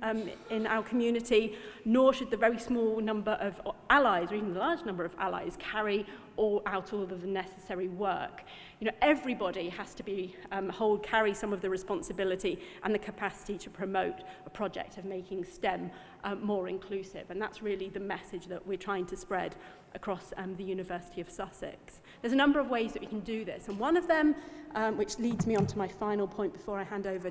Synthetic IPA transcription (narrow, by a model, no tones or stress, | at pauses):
ɪ̃na̰ʊəkʰəmjʉːnɪtinɔːʃəd̪̚ðəvɛɹismɔːlˠnʌ̃mbəɹʔəvʔalaɪzəivən̩ðəlɑːd͡ʒnʌ̃mbə˞əva̰la̰ɪz̥kʰaɹi | ʔɔlaʊtʰɔlˠəvðənɛsəsɛɹiwɜ̰ˑk | jɨnoʊʔɛvɹibɒɾiəz̥tʰəbihoʊlˠd̚kʰaɹisʌ̃mʌvðəɹɨspɑ̃nsəbɪlɪtiʔə̃nðəkʰəpʰasɪ̥titʰəpʰɹ̥əmoʊtəpʰɹ̥ɒd͡ʒɛ̰k̚tʌvmeɪkɪ̃ŋstɛ̃m | ʔːɔːɹɪ̰̃nkʰl̥ʉˑsɪ̰və̃nða̰tsɹɪlˠiðɨmɛsɪd͡ʒðəʔwɪɹtʰɹ̥aɪɪ̃ŋtʰəspɹɛd | ʔəkʰɹ̥ɔsðɨjʉnɨvɜˑ˞sɪ̥tʰiəv̥sʌsɪ̰ks | ðə˞zənʌ̃mbə˞əvweɪzðəʔwɨkʰn̩dɨðɪ̰sə̃nwʌ̃nʌvðə̃mwɪt͡ʃliːdzmiə̃ntʰəmaɪfãɪ̃nl̩ˠpʰɔ̃ɪ̃nb̥ɪfɔːɹaɪhæ̃ndoʊvə